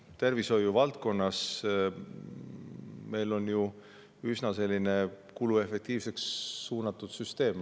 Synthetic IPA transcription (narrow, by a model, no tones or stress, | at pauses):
t̪e̞rviso̞jːuvɑlt̪̚ko̞nːɑs | me̞jlo̞nju | ysnɑse̞lʲːine̞ | kulue̞fe̞k̚t̪iːvse̞ksːuːnɑt̪ːˑud̪̥syst̪e̞ːm